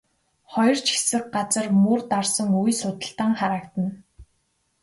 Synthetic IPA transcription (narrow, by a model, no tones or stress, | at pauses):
χɔjɞ̆r̥t͡ɕʰi̥sɘ̆k̚ɢat͡sə̆rmurt̪arsə̆ŋujsʊt̪ə̆ɬt̪aːŋχaɾaːkt̪ə̆n